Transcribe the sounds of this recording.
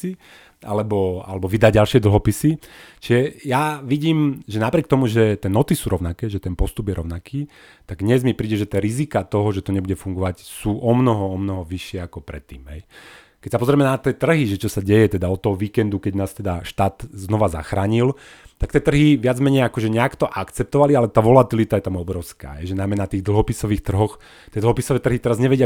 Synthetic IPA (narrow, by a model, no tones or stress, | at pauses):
i | ʔa̰lɛbɔa̰lɛbɔʋid̪aɟalʃɪɛd̪l̩ˠɦɔpisit͡ʃiʒɛjaʋiɟiːmʒɛnapɾɪɛk̚t̪ɔmuʒɛt̪ɛːnɔt̪isuːɾɔʊnakɛːʒɛt̪ɛnpɔst̪ubjɛɾɔʊnakiː | t̪aɡd̪ɲɛzmipɾiːɟɛʒɛt̪ɛːɾizikat̪ɔɦɔʒɛt̪ɔɲɛbuɟɛfuŋɡɔʋacsuːʔɔmnɔɦɔɔmnɔɦɔʋiʃɪɛakɔpɾɛ̰t̪ːḭːmɦɛj | kɛcsapɔzɾɛmɛnat̪iɛːt̪r̩ɦiʒɛt͡ʃɔsaɟɛjɛt̪ɛd̪aɔt̪ːɔɦɔʋiːkɛnd̪ukɛɟnaːst̪ɛd̪aʃt̪aːt̪znɔʋaza̰xɾaːɲil | t̪ak̚t̪iɛt̪r̩ɦiʋɪad͡zmɛɲɛjakɔʒɛɲɛakt̪ɔʔakt͡sɛp̚t̪ɔʋalialɛt̪aːʋɔlat̪ilit̪ajɛt̪amɔbɾɔʊska̰ːɦɛjʒɛnajmɛnat̪iːɣd̪l̩ˠɦɔpisɔʋiːxt̪r̩ɦɔx | t̪jɛd̪l̩ˠɦɔpisɔʋɛːt̪r̩ɦit̪ɛɾazɲɛʋɛɟɪa